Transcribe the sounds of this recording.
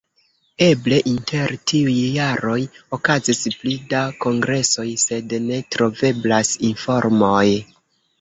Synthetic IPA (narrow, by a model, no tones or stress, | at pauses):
e̞ble̞ʔintʰe̞ɾtʰiujːaɾo̞jo̞kazisplidako̞ŋɡɾe̞so̞jse̞dne̞tɾo̞ve̞blasinfo̞ɾmoj